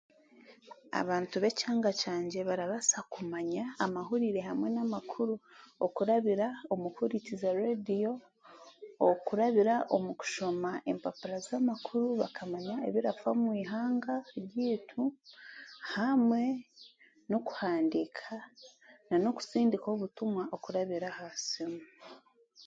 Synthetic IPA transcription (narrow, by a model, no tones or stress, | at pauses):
a̰βaːntuβe̞caːŋɡat͡ʃaːɲɟe̞βaɾaβasakumaɲaːmaɦuɾiɾe̞hamwe̞namakʰuɾuokuɾaβiɾaomuhuɾicizaɾedijo̞ | okuɾaβiɾaʔomuku̥ʃo̞maʔe̞̰mpapuɾazamakʰuɾuβa̰kʰamaɲaeβiɾafamwiːɦaːŋɡaβjiːtʰu | hamwe̞ | no̞ku̥haːndikʰananoku̥siːndikoβutumwaʔokuɾaβiɾahasimu